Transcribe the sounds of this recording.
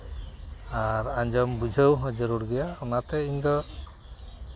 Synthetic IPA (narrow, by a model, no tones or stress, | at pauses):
aɾaɲd͡ʒɔmbud͡ʒʱəwɦɔd͡ʒɔɾuɾɡɛjaɔnat̪ɛiɲd̪ɔ